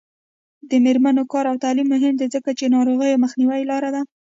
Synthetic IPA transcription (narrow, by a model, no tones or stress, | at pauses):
d̪əmeɾmanokɑɾawt̪ɑlimːʊɦɪmd̪ezəkat͡ʃenɑɾoɣəjoməxniwajlɑɾad̪a